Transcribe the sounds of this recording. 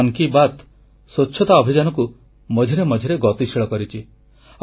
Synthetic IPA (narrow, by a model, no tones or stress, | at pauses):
ŋkibat̪ | sot͡ʃːʰɔt̪aɔbʱid͡ʒanɔku | mɔd͡ʒʱiɾemɔd͡ʒʱiɾeɡɔt̪isiɭɔkɔɾit͡ʃʰi